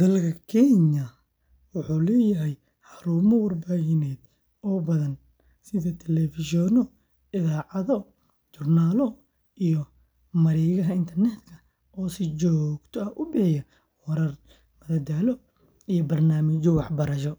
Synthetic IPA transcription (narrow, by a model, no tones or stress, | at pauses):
d̪ɐlkʰɐkʰɛɲɐ | wʊħuːlɛːjɐɦɛj | ħɑɾuːmɔwɐrbaːɣɪnɛːd̪ | ɔːbɐðɐn | sɪðɐt̪ʰɛlɛfɪʃɔnɔ | ɪðaːʕɑðɔ | t͡ʃʊrnaːlɔ | ʔijɔ | mɐɾɛːɣɐɦɐɪnt̪ʰɐrnɛːt̪kʰɐ | ɔːsɪt͡ʃɔːɡt̪ʰɔɐʔʊbɪħɪjɐ | wɐɾɐr | mɐðɐd̪aːlɔ | ijɔbɐrnaːmɪt͡ʃɔwɑħbɐɾɐʃ̬ɔ